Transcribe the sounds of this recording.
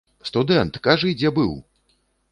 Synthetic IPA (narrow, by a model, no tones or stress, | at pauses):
st̪ud̪ɛnt̪kaʐɐid͡zʲɛbɨw